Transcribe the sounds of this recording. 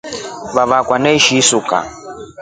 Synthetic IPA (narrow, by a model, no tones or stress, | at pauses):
βaβakwanɛiʃisuka̰